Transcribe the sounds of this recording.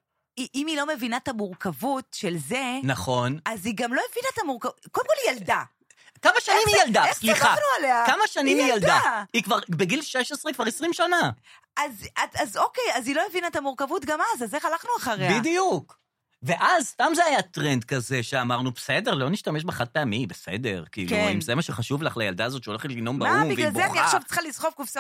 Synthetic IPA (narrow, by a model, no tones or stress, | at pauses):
iʔimilo̞me̞vinaetamuʁkavutʃe̞lzenaχo̞naziɡamlo̞evinat̪amuʁkakoldemkolijalda | kamaʃanimijaldaesliχanualeakamaʃanimijald̪aikvaʁbeɡilʃeʃesʁekvaʁesʁimʃana | azaazokejazilomevinaet̪amuʁkavutɡamazazeχalaχnuaχaʁebidijuk | ve̞ʔazst̪amzeajat̪ʁendkaze̞ʃeamaʁnubese̞de̞ʁlo̞niʃtameʃbeχat̚peamibese̞̰de̞̰ʁkiḭuimzemaʃeχaʃuvlaχlaja̰ld̪aːzo̞t̪ʃeoleχetlino̞mbaumbivlalbzeaχniaʃʃavt͡sə̥χalizχofkufsa